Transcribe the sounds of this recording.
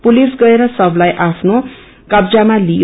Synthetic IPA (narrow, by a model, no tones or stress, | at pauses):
pulisɡʌeɾʌsʌblajʔapʰno | kʌbd͡zamali